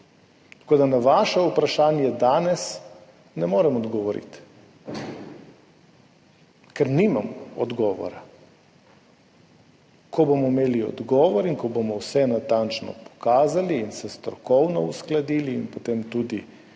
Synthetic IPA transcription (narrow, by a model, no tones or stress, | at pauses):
t̪ḁkoːd̪anaʋaːʃɛupɾaʃaːnjɛd̪aːnɛs | nɛmoːɾɛmɔd̪ɡɔʋɔɾḭt̪ | kɛɾniːmamɔɔd̪ɡɔːʋɔ̰ɾa | kʰɔbomɔimeːliɔ̰d̪ɡɔːʋɔɾinkɔbomɔwsɛnat̪ant͡ʃnɔ̰pɔ̥kaːzaliːnsɛst̪ɾɔkɔwnɔusklad̪iːliːnpɔt̪eːmt̪uːd̪i